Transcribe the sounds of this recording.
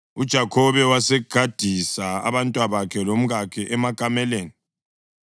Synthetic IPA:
ud̥ʒ̥ʱakʰɔβɛwasɛɡ̥ʱad̥ʱisaa̰βantʼwaβakʰɛlom̩ɣakʰɛʔɛmakʼamɛleːni

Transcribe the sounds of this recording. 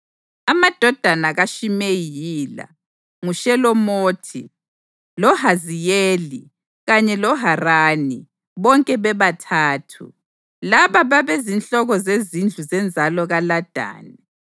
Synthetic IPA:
amad̥ʱɔd̥ʱanaɣaʃimejijiːla̰ | ŋuʃɛlɔmoːtʰḭ | lɔɦazijeːli | ɣaɲɛlɔɦaraːni | βɔŋkʼɛβɛβatʰaːtʰṵ | laβaβaβezint͡ɬɔɣɔzezind͡ɮʱuzɛnd͡zʱalɔɣalad̥ʱa̰ːnɛ

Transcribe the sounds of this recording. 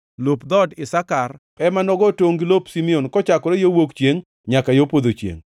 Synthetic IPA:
lopd̪ɔdɪsakarpɛmanɔɡɔtoŋɡilopsimionkɔt͡ʃakɔɾejowokt͡ʃjeŋ | ɲakajopod̪ot͡ʃjḛŋ

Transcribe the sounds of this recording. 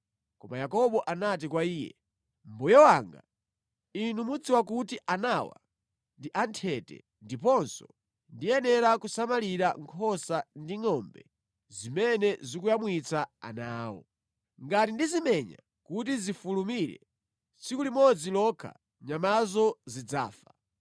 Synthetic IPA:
kɔmajakɔɓɔʔanat̬ikwaiːjɛ̰ | mbɔjɔwaŋɡa̰ | inumud͡ziwakutiʔanawa̰ | ndiʔantʰɛtɛ̰ | ndipɔnsɔ̥ | ndijɛnɛɾakusamaliɾaŋkʰɔsandiŋɔmbɛ | zimɛnɛzikujamwit͡saa̰naːwɔ̰ | ŋɡatindizimɛɲa̰ | kut̬izifulumiɾɛ̰ | t͡sikulimɔd͡zilɔkʰa̰ | ɲamazɔzid͡za̰ːfḁ

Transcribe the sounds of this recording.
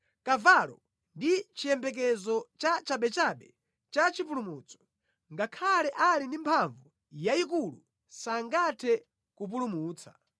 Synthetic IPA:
kavalɔ | ndit͡ʃijɛmbɛk̬ɛzɔt͡ʃat͡ʃaɓɛt͡ʃaɓɛ | t͡ʃat͡ʃip̬ulumut͡sɔ̥ | ŋɡakʰalɛʔalindimpʰaɱvu | jaikulṵ | saŋɡatʰɛ | kup̬ulumuːt͡sa̰

